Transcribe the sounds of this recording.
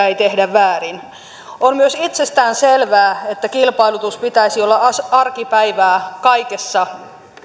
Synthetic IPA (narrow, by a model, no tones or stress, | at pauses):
æit̪ehdæʋːæːrin | ʔommyøsit̪sest̪æːnselʋæːet̪ːækilpɑilut̪uspit̪æisiolːɑsɑrkipæiʋæːkɑikesːɑ